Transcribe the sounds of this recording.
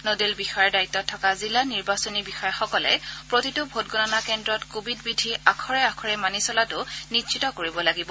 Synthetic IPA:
nodilbixɔjɔɹdaitːɔtʰːɔkazilaniɹbasonibixɔjɔxɔkɔlɛ̰pɹotitʊbʱot̚ɡɔnanakɛndɹɔtkobidbidʱiakʰɔɹɛakʰɔɹɛmanisɔlatʊnitʃitɔkoɹibɔlaɡibɔ

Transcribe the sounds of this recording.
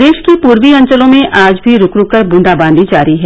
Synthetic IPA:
d̪eːʃkipuːɾʋiɐ̃ɲt͡ʃəlõmẽʔaːd͡ʒbʱiɾʊkɾʊkəɾbʊ̃ɳɖaːbãːnd̪id͡ʒaːɾiɦɛː

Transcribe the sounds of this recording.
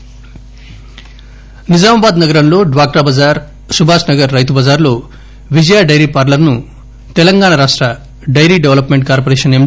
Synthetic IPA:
nid͡zaːmabaːd̪nɐɡɐɾɐnloːɖʋaːk̚ʈabad͡zaɾ | subʱaːsnɐɡɐɾːɐjt̪ubad͡zaːɾlo | ʋid͡ʒjaɖɐjɾipaɾlɐɾnu | t̪elɐŋɡaːɽaɾaːʂʈɾɐ | ɖɐjɾiɖeʋlɐpmeɳʈ̚kaːɾpoɾeːsɐnem

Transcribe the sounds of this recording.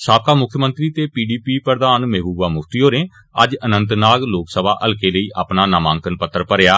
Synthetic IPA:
saːb̚kaːmʊkʰːjəmə̃nt̪ɾiːt̪eːpiːɖiːpiːpəɾd̪aːnmeːbuːʋaːmʊkʰt̪iːɦoːɾẽː | ə̰d͡ʒənə̃nt̪naːɡloːksəbaːʔəlkeːləiːʔʔaːpnaːnaːmãːŋkənpət̪ːəɾpəɾejaː

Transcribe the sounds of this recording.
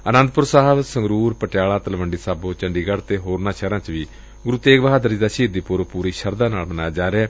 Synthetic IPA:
ənə̃nd̪pʊɾsaːɦəbsəŋɡɾuːɾpəʈɪjaːlaːt̪əlʋəɳɖiːsaːbõːt͡ʃəɳɖiːɡəɽt̪eːɦoːɾnaːʃʰɛːɾãːt͡ʃʋiː | ɡʊɾuːt̪eːkʋəɦaːd̪əɾd͡ʒid̪aːʃiːd̪iːpʊɾpuːɾiːʃʰəɾd̪aːnaːlmənaːjaːd͡ʒaːɾeɛː

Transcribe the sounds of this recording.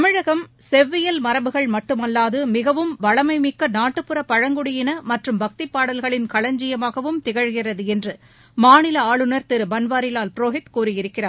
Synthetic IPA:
t̪ɐmɪɻɐɣɐmsɛʋːɪjɐlmɐɾɐʋɯɣɐɭmɐʈːɯmɐlːaːðɯmɪɣɐʋɯmʋɐɭɐmɐɪmɪkːɐnaːʈːɯpːɯrɐpːɐɻɐŋɡʊɽɪjɪnɐmɐʈrɯmbɐk̚t̪ɪpːaːɽɐlɣɐɭɪnkɐɭɐɲd͡ʒɪjɐmaːɣɐʋɯmt̪ɪɣɐɻɣɪrɐðɯɛndrɯ | maːnɪlɐaːɭɯnɐɾt̪ɪɾɯbɐnʋaːɾɪlaːlpɪɾoːɦɪt̪kuːrɯjɪɾɯkːɪraː

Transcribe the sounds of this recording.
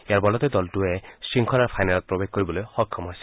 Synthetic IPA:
eaɹbɔlɔt̪ed̪ɔltuesiŋkʰɔaɹpʰajnalɔt̪̚pɹobek̚koɹibɔlojxɔkʰːɔmajsi̥

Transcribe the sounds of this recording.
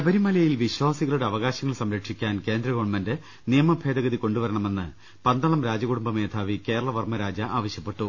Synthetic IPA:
ɐbɐɾimɐlɐjilʋiɕwaːsiɣɐɭuɽe̞ɐʋɐɣaːɕɐŋːɐɭsɐmɾɐkʂikʲːaːnke̞ːnd̪rɐɣoːɳmɐnde | nijɐmɐbʱe̞ːd̪ɐɣɐðiko̞ɳɖuʋɐɾɐɳɐme̞nːɨ̰ | pɐnd̪ɐɭɐmɾaːd͡ʑɐɣuɽumbɐme̞ːd̪ʰʱaːʋike̞ːɾɐɭɐʋɐrmɐɾaːd͡ʑɐʔaːʋɐɕjɐpːe̞ʈːu

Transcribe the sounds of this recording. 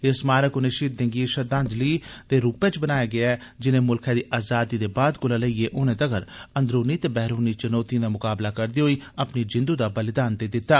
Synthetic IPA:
esmaːɾəkʊnẽːʃiːt̪̚d̪ẽŋɡiːʃəd̪ãːnd͡ʒliːt̪eːɾuːpẽːt͡ʃbənaːjaːɡɪaːd͡ʒɪnẽːmʊlkʰɛ̃ːd̪iːʔaːzaːd̪iːd̪eːbaːd̪kʊlaːləiːeːʔʊnẽːd̪əɡəɾə̃nd̪ɾuːniːt̪eːbɛːɾuːniːt͡ʃənɔːt̪ijãd̪aːmʊkaːblaːkəɾd̪iːɦoiːəpniːd͡ʒɪ̃nd̪uːd̪aːbəlɪd̪aːnt̪eːd̪ɪt̪ːaː

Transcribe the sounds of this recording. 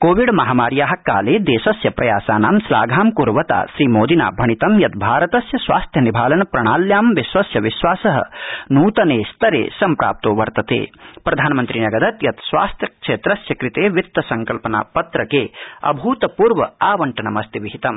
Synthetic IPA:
koːʋiɖmɐɦaːmaːɾjaːɦɐkːaːleːd̪eːʃɐsjɐpɾɐ̰ja̰ːsaːnaːmsla̰ːɡʱaːmkuɾʋɐt̪a̰ːʃɾiːmoːd̪ina̰ːbʱɐɳit̪ɐmjɐt̪̚bʱaːɾɐt̪ɐsjɐsʋa̰ːst̪ʰjɐnibʱaːlɐnɐpɾɐɳ̃aːljaːmʋiʃʋɐsjɐʋiʃʋaːsɐɦɐ̰nuːt̪ɐneːst̪ɐɾḛːsɐmpɾa̰ːp̚t̪oːʋɐɾt̪ɐt̪ḛːpɾɐd̪ʱaːnɐmɐnt̪ɾinɐɡɐd̪ɐt̪jɐt̪sʋa̰ːst̪ʰjɐkʂeːt̪ɾɐsjɐkɾit̪eːʋit̪ːɐsɐŋkɐlpɐna̰ːpɐt̪ɾɐkeːɐ̰bʱuːt̪ɐpuːɾʋɐaːʋɐɳʈɐnɐmɐst̪iʋiɦit̪ɐm

